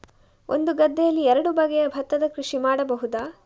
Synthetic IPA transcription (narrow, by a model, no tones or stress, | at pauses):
ʔo̞̰nd̪uɡɐd̪ːɛjɐlːiɛɾɐɽubɐɡɛjɐbʱɐt̪ːɐd̪ɐkɾuʂimaːɽɐbɐɦud̪aː